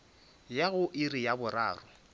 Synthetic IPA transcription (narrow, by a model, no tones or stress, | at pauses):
jaɣʊʔɪrɪjabʊra̰ːrʊ